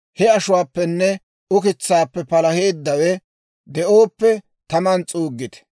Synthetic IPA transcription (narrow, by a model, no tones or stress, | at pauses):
hɛɐʃʊwaːpːɛnːɛ | ʊkɪt͡sːaːpːɛpɐlɐheːd̪ːɐwɛ | d̪ɛʔoːpːɛ | t̪ɐmɐnt͡sʼuːɡːɪt̪ɛ̥